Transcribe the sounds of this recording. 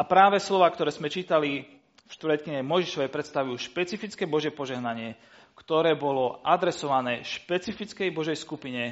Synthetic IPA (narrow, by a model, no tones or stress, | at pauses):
apɾaːʋɛslɔʋaːkt̪ɔɾɛːzmɛt͡ʃiːt̪ali | fʃt̪ʋɾ̩ɛt̪̚kiɲɛmɔjʒiʃɔʋɛjpɾɛt̪st̪aʋujuːʃpɛt͡sifit͡skɛːbɔʒɪjɛpɔʒɛɦnaɲɪɛ | kt̪ɔɾɛːbɔlɔʔad̪ɾɛsɔʋanɛːʃpɛt͡sifit͡skɛjbɔʒɛjskupiɲɛ